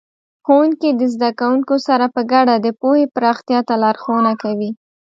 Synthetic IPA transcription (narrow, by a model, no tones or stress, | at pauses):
xowuŋkid̪əzd̪akawuŋkosaɾapəɡaɽad̪əpohepəɾɑxt̪jɑt̪alɑɾxonakawi